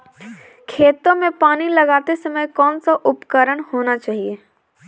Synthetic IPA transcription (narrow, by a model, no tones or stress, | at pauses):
kʰeːt̪õmẽpaːnilɐɡaːt̪esɐməjkɔːnsaʔʊpkəɾəɽ̃hoːnat͡ʃaːɦieː